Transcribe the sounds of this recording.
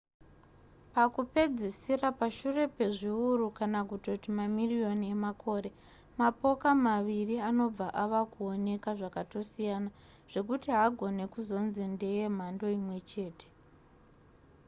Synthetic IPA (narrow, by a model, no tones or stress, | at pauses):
pakupe̞d͡zesirapaʃure̞pe̞ʐiuɾukanakuto̞timamirijo̞nie̞mako̞ːɾe̞ | mapo̞kamaʋiriano̞b͡vaʔaʋakuo̞ne̞kaʐakato̞sijana | ʐ̥e̞kutiɦaɡʱo̞ne̞kuzo̞nzinde̞je̞m̤ando̞imwe̞t͡ʃe̞ːte̥